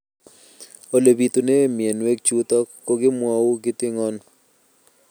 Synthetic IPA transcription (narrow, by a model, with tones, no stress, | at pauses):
o˦le˨bi˨t̪u˨ne˦mɪ˨e˨nwe˦k̚t͡ʃu˦t̪a˦ko˦ɡɪ˦mwa˦wu˦ɡɪ˦t̪ɪ˦ŋɔ˦n